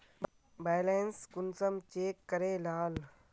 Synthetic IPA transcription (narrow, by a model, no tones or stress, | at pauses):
baːjleːnskʊnsəmt͡ʃeːkːəɾẽːlaːl